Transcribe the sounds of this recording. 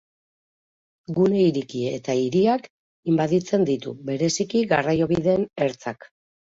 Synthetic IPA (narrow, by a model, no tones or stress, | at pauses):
ɡune̞iɾikie̞t̪aiɾiak | imbaðit͡se̞nd̪it̪ṵβe̞ɾe̞sikiɣarajo̞βiðe̞ːne̞ɾt͡sak